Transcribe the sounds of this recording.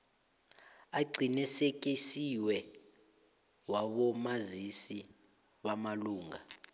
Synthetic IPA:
aɡ͡ǀʱinɛsek̬ʼisiwɛ | waɓɔmazisi | ɓamaluːŋa

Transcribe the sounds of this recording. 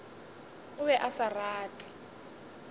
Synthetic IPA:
ʊβɛʔasaraːtʼi̥

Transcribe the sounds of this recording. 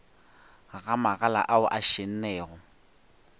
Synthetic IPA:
ɣamaɣala̰ʔaʊʔaʃen̩nɛːɣʊ

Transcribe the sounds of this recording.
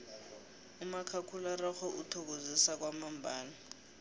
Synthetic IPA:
umakʰakʰularɔxɔʔutʰok̬ozisak̬wamambʱaːna

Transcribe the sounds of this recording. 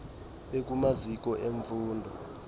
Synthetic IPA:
ɓek̬umazik̬ʼɔʔeɱfuːndʱɔ

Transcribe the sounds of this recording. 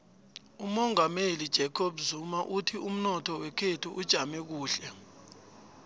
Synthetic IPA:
umɔŋamelid̥ʒ̥ʱɛkʰobuzumaʔutʰium̩nɔtʰɔwɛkʰetʰuʔud̥ʒ̥ʱamɛk̬uːɬɛ

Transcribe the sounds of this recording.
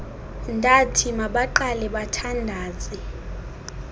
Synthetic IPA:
ndʱatʰimaɓaǃalɛɓatʰandʱaːzʼi

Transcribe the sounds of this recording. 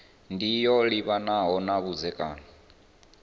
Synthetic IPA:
ndijɔliβanaɦɔnaβud͡zɛkʼaːna

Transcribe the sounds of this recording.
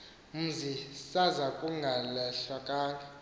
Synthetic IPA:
m̩zisazakʼuŋɡʱalɛɬakʼaːŋɡʱa

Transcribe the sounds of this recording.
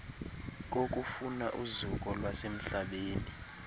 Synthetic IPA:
k̬ʼok̬ʼufunaʔuzuk̬ʼɔlwasem̩ɬaɓeːni

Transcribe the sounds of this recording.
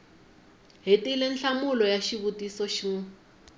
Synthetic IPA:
ɦetilɛnɬamulɔjaʃiβutisɔʃi

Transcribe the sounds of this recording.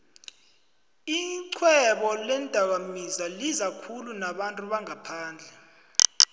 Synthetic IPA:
iǀʰwɛɓɔlɛndʱakamizalizakʰulunaɓantʼuɓaŋapʰaːnd͡ɮʱɛ

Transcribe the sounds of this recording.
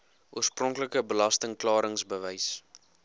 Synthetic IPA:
uərsprɔŋkləkəbəlɐstəŋklɑːɾəŋsbəvɛjs

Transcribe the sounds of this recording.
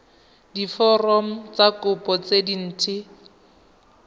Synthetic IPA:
difɔrɔm̩t͡sakʊpʼɔt͡sedin̩ːtʰɪ

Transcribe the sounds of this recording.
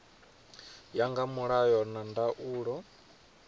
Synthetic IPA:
jaŋɡamuɺajɔnandaʔuːɺɔ

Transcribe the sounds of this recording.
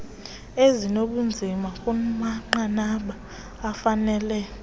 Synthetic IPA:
ezinoɓund͡zʱimakʼumaŋ͡ǃanaɓaː | fanɛlɛ

